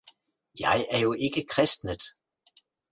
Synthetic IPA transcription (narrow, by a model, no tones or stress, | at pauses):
jɑɪæɐjo̝ʔe̝ɡ̥əkʰʁɛsd̥nəð̥ˠ